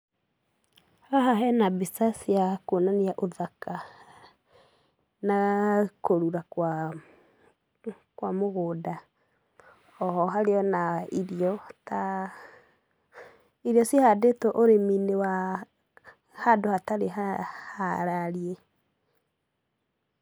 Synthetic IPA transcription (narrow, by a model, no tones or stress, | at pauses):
haɦaɦɛnabisasiakonaniaʔoðaka | nakoɾuɾakwa | kwamoɣoːda | ɔhɔɦaɾeɔnaiɾiɔta | iɾjɔsiehadetɔʔoɾeminewa | hadohataɾehahaɾaɾie